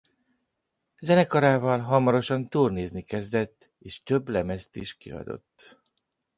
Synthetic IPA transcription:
zɛnɛkɒɾaːvɒlɦɒmɒɾo̞ʃɒnt̪uːlneːznikɛzd̪ɛt̪ː | eːʃt̪ø̞bːlɛmɛst̪ḭːʃkḭɒ̰d̪o̞̰t̪ː

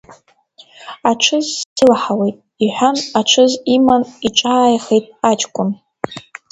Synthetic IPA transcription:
aʈ͡ʂʰɨzsʰɨlħawejtʼ | iħʷanaʈ͡ʂʰɨzimaniʈ͡ʂʼaːjχejtʼat͡ʃʼkʷʼʊn

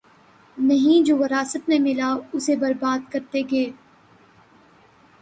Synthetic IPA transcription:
nɐɦĩd͡ʒoːʋɐɾaːsət̪mẽmɪlaʊsebɐɾbaːd̪̚kɐɾt̪eɡeː

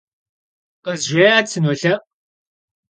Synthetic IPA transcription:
qɐzʒʷeːaːt͡sʰɨnoːɬɐʔ

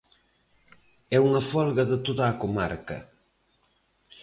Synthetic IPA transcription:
ɛuŋɐfɔlɣɐðət̪oðaːkomaɾkɐ̰

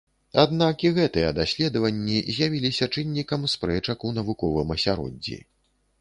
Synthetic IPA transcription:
ad̪nakiɣɛt̪ɨjɛd̪asʲlʲɛd̪ɐvɐnʲːizʲjavʲilʲisʲɐt͡ʂɨnʲːikɐmspɾɛt͡ʂɐkunɐvukɔvɨmɐsʲaɾɔ̰dʲːḭ

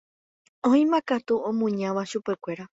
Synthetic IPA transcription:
õĩmãkat̪uõmũɲãʋaʃupe̞kʷe̞ɾa

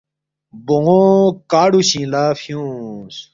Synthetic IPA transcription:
boŋokaːɽuɕĩlaːfijũs

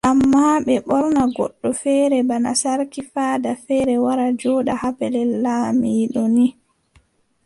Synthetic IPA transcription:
ʔamːaɓɛɓɔɾnaɡɔ̰ɗːɔfɛːɾɛbana̰saɾkifaːdafɛːɾɛwaɾad͡ʒɔːɗahapɛlɛlːaːmiːɗɔni

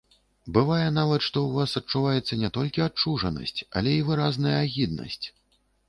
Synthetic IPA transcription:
bɨvajɛnavɐt̪ʂt̪ɔuvasɐt͡ʂːuvajɛt̪sːɐnʲɛt̪ɔlʲkʲiat͡ʂuʐɐnɐ̰sʲt͡sʲɐ̰lʲɛivɨɾaznɐjɐːɣʲid̪nɐ̰sʲt͡sʲ

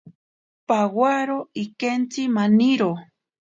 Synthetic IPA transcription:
pawaɾoikent͡simaniɾo

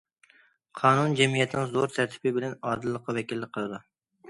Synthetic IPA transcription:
qʰɑːnund͡ʒɛmijɛt̪ʰnɪŋzoɾt̪ʰæɾt̪ʰɪ̥bɪbɪlɛnɑːd̪ɨlˠːəqʰːɑvɛkʲilːɪqʰəlˠɨd̪u

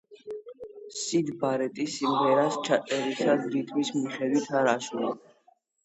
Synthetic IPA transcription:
sid̪baɾɛt̪ʼisimʁɛɾast͡ʃʰat̪sʼɛɾisad̪ɾit̪ʰmismiχɛd̪wit̪ʰaɾaʃuli

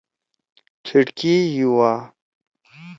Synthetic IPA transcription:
tʰiʈkijuwaː

